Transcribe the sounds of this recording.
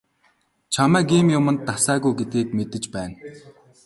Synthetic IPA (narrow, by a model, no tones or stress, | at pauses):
t͡ɕʰamæːɡiːmjʊmə̆nt̪ːasæːɣujɡet̪̚ɡiːk̚met̪ɘ̆t͡ɕpæːn